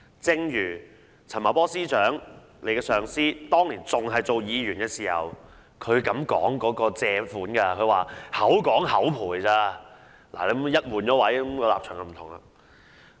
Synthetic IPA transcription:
t͡sɪ˧ŋjyː˨˩ | t͡sʰɐ˨˩nma˨˩pɔː˥siː˥t͡ʃœː˨˥ŋ | le˨˧jkɛː˧sœː˨˩ŋsiː˥t̪ɔː˥ŋliː˨˩nt͡sʊ˨ŋɦɐ˨jt͡so˨wjiː˨˧jɥyː˨˩nkɛː˧siː˨˩hɐ̰˨˩w | kʰɵ˨˧ɥkɐ˨˥mkɔ̰ː˨˥ŋkɔː˨˥kɔː˧t͡sɛː˧fuː˨˥nkɐ˧kʰɵ˨˧ɥwaː˨hɐ˨˥wkɔː˨˥ŋhɐ˨˥wpʰuː˨˩jt͡saː˧ | la̰ː˨˩le˨˥˨jɐ˥t̚muː˨˩nt͡ʃɔː˨˥wɐ˨˥jkɔ˨˧laː˨p̚t͡ʃʰœː˨˩ŋkɐ˧m̩ʰ˨˩ʊ˨˩ŋɐ̰˧

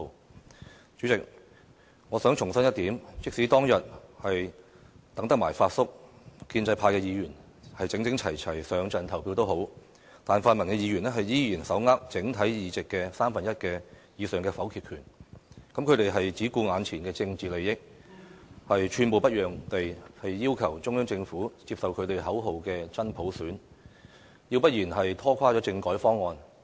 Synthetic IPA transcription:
t͡ʃyː˨˥t͡sɪ˨k̚ | ŋɔː˨˧sœː˨˥ŋt͡ʃʰʊ˨˩ŋsɐ˥njɐ˥t̪iː˨˥mt͡sɪ˥k̚si˨˥t̪ɔː˥ŋjɐ˨t̚hɐ˨j | t̪ɐ˨˥ŋt̪ɐ˥k̚maː˨˩jfaː˧t̚sʊ˥k̚kiː˧nt͡sɐ˧jpʰaː˧jkɛː˧jiː˨˧jyː˨˩n | hɐ˨jt͡sɪ˨˥ŋt͡sɪ˨˥ŋt͡sʰɐ˨˩jt͡sʰɐ˨˩jsœː˨˧ŋt͡sɐ˨nt̪ʰɐ˨˩wpʰiː˧wt̪o˥who˨˥w | t̪aː˨˩nfaː˧nmɐ˨˩nkɛ˧jiː˨˧jyː˨˩nɛ˥ɦɐ˨jjiː˥jiː˨˩nsɐ˨˥wŋaː˥k̚t͡sɪ˨˥ŋt̪ʰɐ˨˥jjiː˨˧t͡sɪ˨kːɛ˧saː˥mfɐ˨njɐ˥t̚kɛː˧jiː˨˧sœː˨ŋkɛː˧fɐ˨˥wkʰi˨˧kʰyː˨˩nkɐ˨˥mkʰɵ˨˧t̪e˨jɦɐ˨jt͡siː˨˥kuː˧ŋaː˨˧nt͡sʰiː˨˩nkɛː˧t͡sɪ˧ŋt͡siː˨˩le˨jjɪ˥k̚ | hɐ˨jt͡ʃʰyː˨˩npo˨wpɐ˥t̚jœː˨ŋt̪e˨jhɐ˨jːiː˥wkʰɐ˨˩wt͡ʃʊ˥ŋjœː˥ŋt͡sɪ˧ŋfuː˨˥t͡siː˧p̚sɐ˨wkʰɵ˨˧ɥt̪e˨jɦɐ˨˥wɦo˨wkɛː˧t͡sɐ˥npʰo˨˥wsyː˨˥n | ji˧wpɐ˥t̚jiː˨˩nɦɐ˨jt̪ʰɔː˥kʷʰaː˥t͡ʃɔː˨˥t͡sɪ˧ŋkɔː˨˥jfɔː˥ŋːɔː˨˧n

